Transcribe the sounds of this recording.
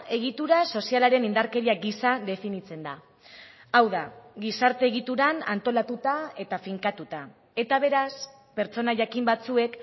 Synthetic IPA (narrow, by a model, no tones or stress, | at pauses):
e̞ɣ̞it̪uɾaso̞sialaɾe̞nind̪aɾke̞ɾiaɡisad̪e̞finit͡se̞nd̪a | awðaɣisaɾt̪e̞ːɣ̞it̪uɾana̰nt̪o̞lat̪ut̪ae̞t̪afiŋkat̪ut̪a | e̞t̪aβe̞ɾas | pe̞ɾt͡so̞naʝakimbat͡sue̞k